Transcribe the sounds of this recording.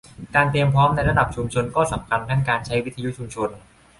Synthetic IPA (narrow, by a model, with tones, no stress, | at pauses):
kaː˧nt̪ɾi˧əmpʰɔː˦˥mna˧jɾa˧˥da˨˩p̚t͡ɕʰu˧mt͡ɕʰo˧nkɔː˥˩sa˩˦mkʰa˧nt̪ʰaː˥˩ŋkaː˧nt͡ɕʰa˦˥jwi˦˥t̪ʰa˧ju˦˥t͡ɕʰu˧mt͡ɕʰo˧n